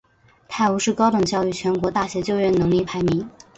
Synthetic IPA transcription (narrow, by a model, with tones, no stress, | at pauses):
t̪ʰa˥˩ɪu˧˥ʂɻ̩˥˩kɑ˥ʊʈ͡ʂɤ˨˩ŋt͡ɕjɑ˥˧ʊy˥˩t͡ɕʰɥɛ˧˥nkwɔ˧˥t̪a˥˩ɕjɛ˧˥t͡ɕjo˥˧ʊɥɛ˥˩nnɤ˧˥ŋli˥˩pʰa˧˥ɪmi˧˥ŋ